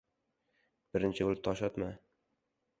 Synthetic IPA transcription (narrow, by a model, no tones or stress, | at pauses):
b̥ɪɾɪnt͡ʃʰɪolt̪ʰɒʃɒt̪ma